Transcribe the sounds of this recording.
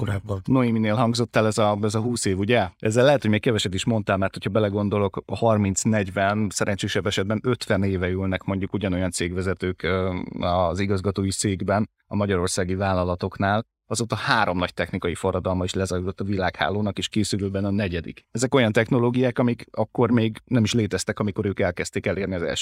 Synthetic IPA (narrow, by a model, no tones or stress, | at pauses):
koɾaːbːnoimineːlɦɒŋɡzo̞t̪ːalɛzɒɛzɒɦuːseːvuɟɛɛzːɛlːɛɦɛt̪hoɟmeːkɛvɛʃɛt̪iʃmo̞nt̪aːlmɛrt̪ho̞cʰhɒbɛlɛɡo̞nd̪o̞lo̞khɒrmint̪snɛɟvɛnsɛɾʔɛɲt͡ʃeːʃɛbːɛʃɛd̪̚bɛnø̞t̪ʋɛneːvɛylnɛkmo̞ɲɟukuɟɒno̞jɒnt̪seːɡʋɛzɛt̪øːkːɒziɡɒzɡɒt̪oːjit̪seːɡbɛn | ɒmɒɟɒɾo̞rsaːɡivaːlːɒlɒt̪o̞knaːl | ɒzoːt̪ɒhaːɾo̞mnɒct̪ɛxnikɒjifo̞rːɒd̪ɒlmɒiʃlɛzɒjuzot̪ːɒvilaːkha̰ːloːnɒkeːʃkeːsyɾøːbɛnɒnɛɟɛd̪ḭkɛzɛko̞jɒnt̪ɛxno̞loːɡijaːkɒmikɒkːo̞rmeːɡnɛmiʃleːt̪ɛst̪ɛkɒmiko̞ɾøːkɛlkɛst̪eːkɛleːrniɒzɛ̰lʃ